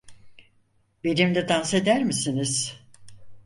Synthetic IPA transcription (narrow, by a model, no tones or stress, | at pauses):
beɾimlʲɛd̪anse̞d̪æɾmisiniz̥